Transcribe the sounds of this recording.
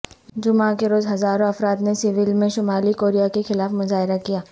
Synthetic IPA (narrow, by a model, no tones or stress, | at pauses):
d͡ʒʊmãkeɾoːzɦɐzaːɾõɐfɾaːt̪nesɪʋɪlmẽʃʊmaːlikoːɾijakexɪlaːfmʊzaːɦɪɾakijaː